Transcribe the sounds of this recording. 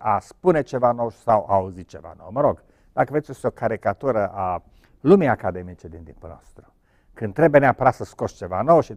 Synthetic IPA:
aspune̞t͡ʃe̞vanowʃi̥sawauzit͡ʃe̞va̰no̰wməɾo̞ɡ | d̪̥akəveetsʲosiokaɾikat̪uɾəʔa | lumijakad̪e̞mit͡ʃed̪int̪ḭmpulnoo̰st̪ɾu | kɨnd̪t̪ɾe̞beneapəɾasəskost͡ʃe̞va̰no̞wʃi

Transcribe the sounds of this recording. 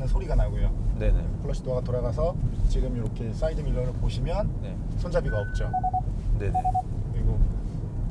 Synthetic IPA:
nɯnsʰoɾiɡanaɡojone̞ekʰɯɭːʌɕ͈ʰidoaɡatoɾaɡasʰʌt͡ɕiɡɯmiɾʌkʰe̞s͈aidɯmiɭːʌɾɯɭpoɕʰimjʌnne | sʰond͡ʑabiɡaʌp̚t͡ɕ͈one̞ne | kɯɾiɡo

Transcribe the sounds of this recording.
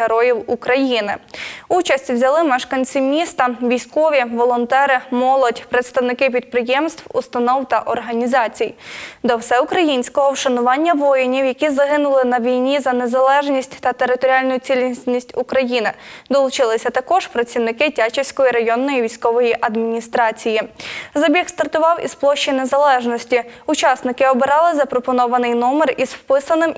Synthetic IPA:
eɾɔjiwukɾɐjinɪut͡ʃɐsʲtʲwzʲɐlˠɪmɐʃkɐnʲt͡sʲɪmʲist̪ɐʋʲijsʲkɔʋʲiʋɔlˠɔnt̪ɛɾɪmɔlˠɔdʲpɾet̪st̪ɐwnɪkɪp̬ʲid̪̚pɾɪjɛmst̪wust̪ɐnɔwt̪ɐʔɔrɦɐnʲizɑt͡sʲijd̪ɔwsɛʊkɾɐjinʲsʲkɔɦɔwʃɐnʊʋɑnʲːɐʋɔjɪnʲiwjɐkʲizɐɦɪnʊlˠɪnɐʋʲijnʲizɐnezɐlˠɛʒnʲisʲtʲt̪ɐt̪eɾɪt̪ɔɾʲiɑlʲnʊjʊt͡sʲilʲsʲnʲisʲtʲukɾɐjinɪd̪ɔlˠʊt͡ʃɪlˠɪsʲɐt̪ɐkɔʒ̥pɾɐt͡sʲiwnɪkɪtʲat͡ʃɪwsʲkɔjiɾɐjɔnːɔjiʋʲijsʲkɔʋɔjiʔɐd̪mʲinʲist̪ɾɑt͡sʲijizɐbʲixst̪ɐrt̪ʊʋɑwḭsplˠɔʃt͡ʃːinezɐlˠɛʒnɔsʲtʲiʊt͡ʃɑsnɪkɪɔbɪɾɑlˠɪzɐpɾɔpɔnɔʋɐnɪjnɔmerizfpɪsɐnɪm

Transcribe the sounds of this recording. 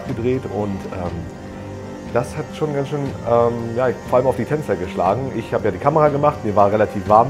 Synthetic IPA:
pɡ̥ədʁeːtʔʊntʔɛːm | d̥ashatʃoːnɡansʃøːnʔɛːmjaːfoːɐʔaləmaʊfd̥iːtʰɛnt͡sɐɡəʃla̰ːɡŋ̩ʔɪçhaːbəjaːdiːkʰaməʁaɡəmaχtmiːɐvaːɐʁɛlatʰiːfv̥aːɐm

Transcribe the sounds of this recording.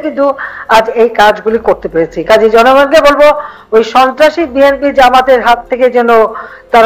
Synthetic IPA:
kint̪uad͡ʑejkad͡ʑɡulikoɾt̪epeɾet͡ɕʰikad͡ʑid͡ʑɔnoɡanɡebolbo | ojʃɔnt̪ɾaʃibienbid͡ʑamad̪eɾɦat̪ʰːeked͡ʑɛno | t̪aɾ

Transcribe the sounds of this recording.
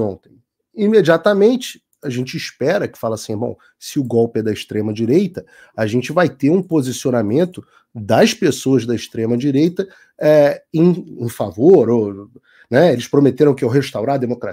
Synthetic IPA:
õt̪ẽj̃ | imed͡ʒiat̪ɐmẽnt͡ʃɪ̥ | ɐʒẽnt͡ʃɪiʃpɛɾɐkɪ̥falɐsĩbõ̰w̃ | sɪʊɡɔwpɪɛd̪ɐɪʃt̪ɾẽmɐd͡ʒiɾejt̪ɐ | aʒẽnt͡ʃɪvajt̪eɾũpozisionamẽnt̪ʊ | d̪ɐʃpesoɐzd̪ɐɪʃt̪ɾẽmɐd͡ʒiɾejt̪ɐ | ɛẽj̃ẽfavoɾo | nɛelɪʃpɾomet̪eɾɐ̃w̃kɪewɦeʃt̪awɾad̪emokɾa

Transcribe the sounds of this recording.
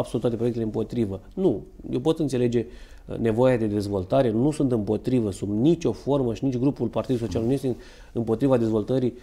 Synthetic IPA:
absolut̪at̪epɾoekt̪eeɨmpo̞t̪ɾivənujewpo̞t̪ɨnt̪se̞le̞d͡ʒe̞ | ne̞vo̞jad̪e̞d̪e̞zvo̞lt̪aɾe̞nusunt̪ɨmpo̞t̪ɾivəsunnit͡ʃʲo̞fo̞rməʃinit͡ʃʲɡɾupulpart̪id̪uso̞t͡ʃialnuje̞st̪e | ɨmpo̞t̪ɾivad̪e̞zvo̞lt̪əɾi

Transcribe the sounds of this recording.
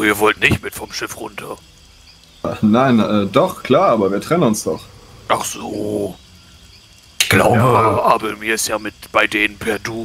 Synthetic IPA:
iːɐvɔltnɪçtmɪtfɔmʃɪfʁʊ̰ntʰɐ | naɪnʔɛːdɔχkl̥aːɐʔaːbɐviːɐtʁ̥ɛnənʊnsd̥ɔχʔaχz̥oː | ɪçɡ̥la̰ʊbəaʔaːbɐmiːɐɪstjaːmɪtb̥aɪdeːnənpʰɛɐduː

